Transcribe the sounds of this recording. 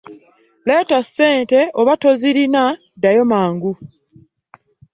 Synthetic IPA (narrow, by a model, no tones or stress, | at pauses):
le̞ːtasːe̞ːnte̞ʔoβato̞ziɾina | dajo̞maːŋɡu